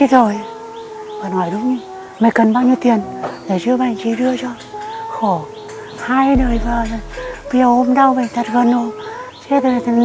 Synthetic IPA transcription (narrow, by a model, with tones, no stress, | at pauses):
i˧˥zo˨˩j | vaː˨˩nhɔ˧˩jɗʊ˨˦wŋ͡mɲɨ˧ | ma˨˩jkə˨˩nɓaː˧wɲi˧əwt̪i˨˩ənle˧˩zɨ˧əɓaː˨˧˩ŋt͡ɕi˧˩ɗɨ˧ət͡ɕɔ˧ | xo˧˩ | haː˧jɗəː˨˩jvaː˨˩˨vi˧˨ə˨˩ʔo˧mɗa˧wvə˨˩t̪ʰə˨˩t̚ɣə˨˩no˨˩sɛ˧˥t̪